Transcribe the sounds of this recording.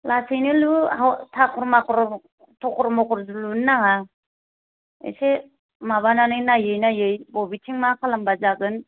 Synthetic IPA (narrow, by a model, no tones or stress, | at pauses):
lasijnilutʰakʰɔɾmakɾ | tʰɔkʰɔɾmɔkɔɾzulunːaŋa | ḛse | maβananɯjnajɯjnajɯjbɔbitʰiŋmakʰalambazaɡɯn